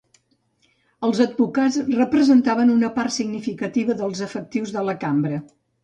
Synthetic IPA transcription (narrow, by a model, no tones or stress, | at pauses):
əlˠzəd̪̚bukazrəpɾəzənt̪aβənunəpart̪siɡnifikət̪iβəðəlˠzəfək̚t̪iwzðələkambɾə